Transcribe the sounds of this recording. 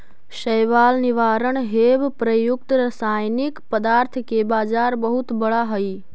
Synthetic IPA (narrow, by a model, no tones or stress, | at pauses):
ʃəjʋaːlniʋaɾəɳ̃ɦebpɾəjuk̚t̪ɾəsajnikpəd̪aːɾt̪ʰəkebaːd͡ʒaɾbəɦut̪bəɽaɦəj